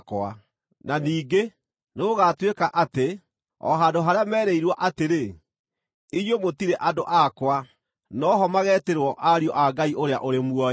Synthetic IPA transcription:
kwa | naniːɡe | neɣoɣaːtwekaʔate | ɔ̰ɦaːdoɦaɾeamɛːɾɛiɾwaʔateɾe | iɣomotiɾeʔadoʔakwa | nɔɦɔmaɣɛːteɾwɔʔaɾiɔʔaɡaiʔoɾeaʔoɾemwɔ

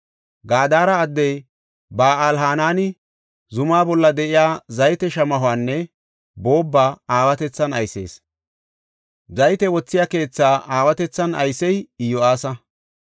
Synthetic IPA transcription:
ɡaːd̪aːɾɐːd̪ːɛj | baːɐlɦaːnaːnɪ | zʊmaːbɔlːɐd̪ɛʔɪjaːzɐjt̪ɛʃɐmɐɦʊaːnːɛ | bo̞ːbːaːaːwɐt̪ɛt͡sːɐnɐjse̞̰ːs | zɐjt̪ɛwɔt͡sːɪjaːke̞ːt͡sːaːʔaːwɐt̪ɛt͡sːɐnɐ̰jsɛjɪjːɔaːsɐ

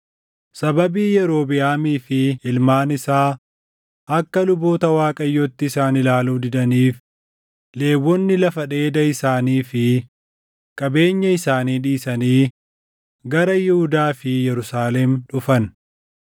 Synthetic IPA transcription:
sɐbɐbiːjɛɾo̞ːbɪjaːmiːfɪɪlmaːnɪsaː | ʔɐkːɐlʊbo̞ːt̪ɐwaːkʼɐjːɔt̪ːɪɪsaːnɪlaːluːd̪ɪd̪ɐniːf | le̞ːwːɔnːɪlɐfɐᶑe̞ːd̪ɐɪsaːniːfɪ | kʼɐbe̞ːɲːɐɪsaːniːᶑiːsɐniː | ɡɐɾɐjɪhʊd̪aːfɪjɛɾʊsaːlɛmᶑʊfɐn

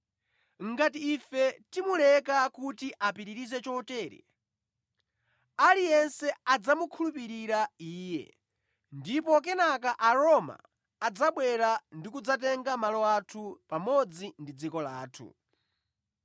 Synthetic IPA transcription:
ŋɡatiːfɛtimulɛkakutiʔapiɾiɾizɛt͡ʃɔtɛːɾɛ̰ | alijɛnsɛad͡zamukʰulupiɾiɾaiːjɛ̰ | ndipɔk̬ɛnak̬aʔaɾɔma̰ː | d͡zaɓwɛɾandikud͡zat̬ɛŋɡamalɔatʰupamɔd͡zindid͡zikɔlaːtʰṵ

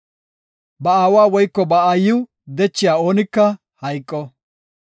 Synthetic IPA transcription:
bɐaːwaːwɔjkːɔbɐaːjʊ | d̪ɛt͡ʃːɪjaːoːnɪkːɐ | hɐjkʼːɔ

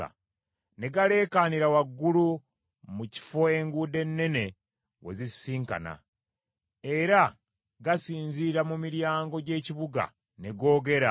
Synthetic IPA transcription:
a̰ | ne̞ɡale̞ːkaniɾawaɡːulu | muci̥fo̞e̞ŋɡuːde̞nːe̞ne̞ | we̞̰zisiːŋka̰na̰ | e̞ɾa | ɡasiːnziɾamumiɾjaːŋɡo̞ɟe̞ːciβuɡa̰ | ne̞ɡo̞ːɡe̞ɾa

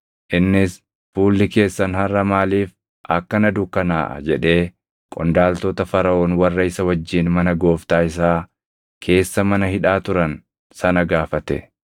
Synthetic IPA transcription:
ʔɪnːɪs | fuːlːɪke̞ːsːɐnhɐrːɐmaːliːf | ʔɐkːɐnɐd̪ʊkːɐna̰ːʔɐ̰d͡ʒɛᶑe̞ː | kʼɔnd̪aːlt̪oːt̪ɐfɐɾɐʔoːnwɐrːɐɪsɐwɐd͡ʒːiːnmɐnɐɡo̞ːft̪aːɪs̬aː | kʰe̞ːsːɐmɐnɐhɪᶑaːt̪ʊɾɐn | sɐnɐɡaːfɐt̪ɛ

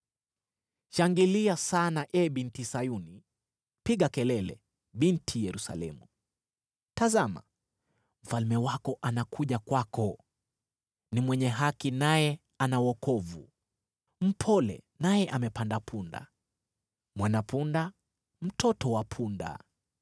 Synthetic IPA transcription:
ʃaŋɡiliasanaʔɛɓintisajuni | piɠakɛlɛlɛ̰ | ɓintʰijɛɾusa̰lɛ̰mu | tazama̰ | m̩falmɛwakɔʔanakʰuʄakwakɔ | nimwɛɲɛɦakinajɛ | anawɔkɔvṵ | m̩pʰɔlɛ̰ | najɛʔamɛpandapʰunda̰ | mwanapunda | m̩tʰɔtɔwapʰunda̰

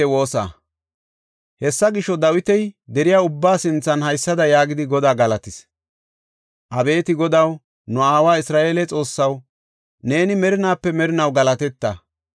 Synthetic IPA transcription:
ɛwo̞ːsa̰ | hɛsːɐɡɪʃɔd̪ɐwɪt̪ɛjd̪ɛɾɪjaːʊbːaːsɪnt͡sːɐnhɐjsːɐd̪ɐjaːɡɪd̪ɪɡɔd̪aːɡɐlɐt̪ɪs | ʔɐbe̞ːt̪ɪɡɔd̪ɐw | nɔaːwaːɪsɾaːʔe̞ːlɛt͡sʼo̞ːsːɐw | ne̞ːnɪmɛɾɪnaːpːɛmɛɾɪnɐwɡɐlɐt̪ɛt̪ːɐ

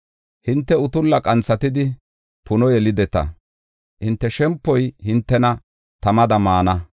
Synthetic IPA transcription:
hɪnt̪ːɛʊt̪ʊlːɐkʼɐnt͡sːɐt̪ɪd̪ɪ | pʊnɔjɛlɪd̪ɛt̪ɐ̰ | hɪnt̪ːɛʃɛmpːɔjhɪnt̪ːɛnɐ | t̪ɐmɐd̪ɐmaːnɐ

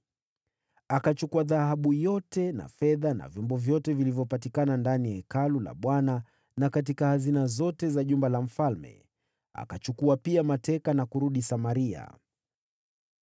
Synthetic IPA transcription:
akat͡ʃukuaðahaɓujɔtɛna̰fɛðana̰vjɔmbɔvjɔtɛvilivjɔpatikanandaniaɛkalula̰ɓwana | nakat̬ikahazinazɔtɛzaʄumbalam̩falmɛ̰ | a̰kat͡ʃukuapiamatɛkanakuɾuɗisamaɾia̰

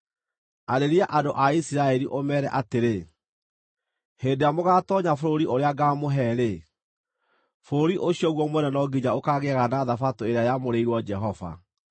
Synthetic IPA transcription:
aɾeɾiaʔadoʔaisiɾaɛɾiʔomɛːɾɛʔateɾe | heːndeamoɣaːtɔɲafoɾoɾiʔoɾeaɡaːmoɦɛɾe | foɾoɾiʔoɕiɔɣwɔmwɛnɛnɔɡiɲaokaɣeɣanaðafatoeɾeajamoɾeiɾwɔd͡ʒɛɦɔva̰

